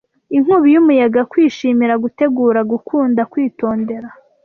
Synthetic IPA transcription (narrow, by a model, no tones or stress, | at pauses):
iŋ̥uβijumujaɡakwiːʃiːmiɾaɡute̞ɡuːɾaɡukʰuːndakwiːto̞ːnde̞ɾa